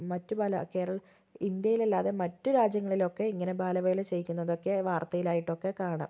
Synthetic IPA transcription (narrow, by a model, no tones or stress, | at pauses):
mɐtːubaːlɐke̞ːɾɐɭɐ | ind̪jɐjilelːaːðemɐtːuɾaːd͡ʑjɐŋːɐɭilo̞kːe̞iŋːɐne̞baːlɐʋeːlt͡ɕejikʲːunːɐðo̞kːe̞ʋaːrt̪ɐjilaːjiʈːo̞kːe̞kaːɳa̰m